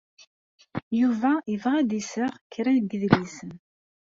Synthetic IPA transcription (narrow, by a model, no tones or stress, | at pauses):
juvæivʁæd̪isəʁkːɾænɡəðlisən